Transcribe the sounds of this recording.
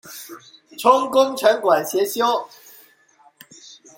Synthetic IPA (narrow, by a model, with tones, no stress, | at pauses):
ʈ͡ʂʰʊ˥ŋkʊ˥ŋʈ͡ʂʰə˨˧˥nkwa˨˩nɕjɛ˨˧˥ɕjo˥ʊ